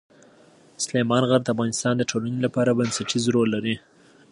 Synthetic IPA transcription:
slemɑnɣaɾd̪əafɣɑnɪst̪ɑnd̪əʈʰolanilapɑɾabənsaʈizɾolːaɾi

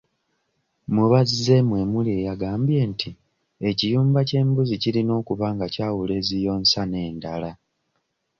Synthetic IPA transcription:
muβaze̞mwe̞mulie̞ːjaɡaːmbje̞ntʰi | ecijuːmbace̞ːmbuzicilino̞ːkuβaːŋɡacaːwule̞zijo̞ːnsane̞ːndala

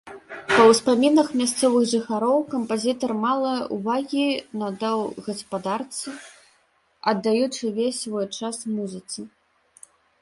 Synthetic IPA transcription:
pɐwspamʲinɐxmʲast̪sɔvɨɣʐɨxaɾɔwkɐmpazʲit̪ɐrmalˠɐuvaɣʲinɐd̪ɛwɣɐspad̪art̪sɨ | ɐd̪ːajut͡ʂɨvʲesʲvɔjt͡ʂasmuzʲɨt̪sɨ

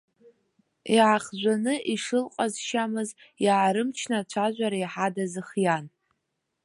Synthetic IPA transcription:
iʕaχʒʷanɨʔiʂɨlqʼazʃamɨzjaːɾɨmt͡ʃʰnat͡ʃʷʰaʒʷaɾaiħadazɨχjan

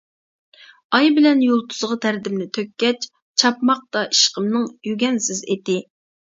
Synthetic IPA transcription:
ɑjbɪlɛnjolˠt̪ʰʊ̥z̥ʁɑt̪ʰæɾd̪ɪmnɪt̪ʰøkʲːɛt͡ʃ | t͡ʃʰɑpmɑq̚t̪ɑʔiʃqəmnɨŋjyɡʲɛnsɪzet̪ɪ

